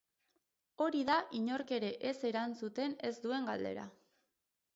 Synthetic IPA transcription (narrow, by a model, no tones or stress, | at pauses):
o̞ɾiðaʔiɲo̞ɾke̞ɾe̞ʔese̞ɾansut̪e̞ne̞zd̪ue̞ŋɡald̪e̞̰ɾa̰